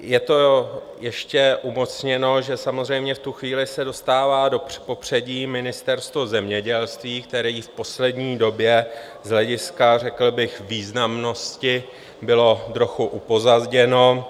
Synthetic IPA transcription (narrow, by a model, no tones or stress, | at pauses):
jɛt̪o̞ | jɛʃcɛʔumo̞t͡sɲɛno̞ʒɛsamozr̝ɛjmɲɛft̪uxviːlɪsɛdo̞st̪aːvaːdo̥po̞pr̝̥ɛɟiːmɪnɪst̪ɛɾst̪vozɛmɲɛɟɛlst̪viːkt̪ɛɾiːfpo̞slɛdɲiːdo̞bjɛ | zɦlɛɟɪskarɛkl̩bɪxviːznamno̞scɪ | bɪlo̞d̪ɾoxuʔupo̞zazɟɛno̞